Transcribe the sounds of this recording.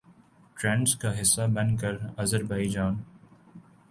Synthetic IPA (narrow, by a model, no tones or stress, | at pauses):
ʈɾɛ̃ːɳɖskaɦɪsːabɐ̃nkəɾɐzəɾbaːid͡ʒaːn